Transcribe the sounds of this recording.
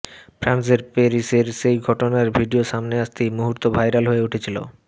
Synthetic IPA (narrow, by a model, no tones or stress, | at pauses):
fʰɾans̬eɾpeɾiseɾʃejɡʱɔʈonaɾbʱiɖioʃamneaʃt̪ejmuɦuɾt̪obʱajɾalɦoeuʈʰet͡ɕʰilo̰